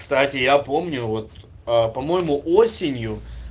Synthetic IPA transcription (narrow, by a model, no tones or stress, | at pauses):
st̪atʲɪjapo̞mnʲʊvo̞t̪ | əpɐmo̞jɪmʊʔo̞sʲɪnʲjʊ